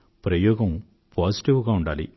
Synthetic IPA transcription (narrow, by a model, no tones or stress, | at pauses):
pɾɐjɔːɡɐm | pʰaːsiʈiʋɡaːuɳɖaːlḭ